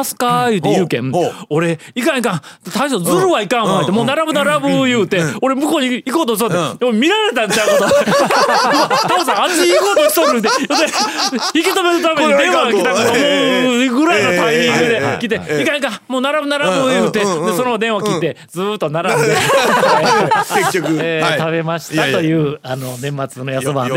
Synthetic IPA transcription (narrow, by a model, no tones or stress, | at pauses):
sɨ̥kajɯ̟ːt̪ːejɯːkẽmoɾe̞ikãɲikãt̪t̪aiɕod͡zɨɾɯ̟βaikãõat̪ːemoːnaɾabɯ̟naɾabɯjɯːt̪e̞oɾe̞mɯ̟koːɲiikoːt̪oɕit̪oeomʲiɾaɾe̞t̪ãnt͡ɕakoso | tt̪aosaat͡ɕiːkoːt̪oɕi̥t̪oɾɾɯt̪ejot̪ːeçikʲit̪ome̞ɾɯ̟t̪ameɲiid̪ẽamoɡɯ̟ɾainot̪ãɲĩŋɡɯd̪e̞kʲit̪̬ːeikaɲika | moːnaɾabɯ̟naɾabɯjɯːt̪ed̪eso̞nod̪ẽɰ̃βakʲit̪ːe̞ | d͡zɨːt̪ːo̞naɾae | t̪ʰabe̞maɕi̥t̪at̪o̞jɯ̟ːano̞nẽ̞mːat͡sɨno̞jasobã̰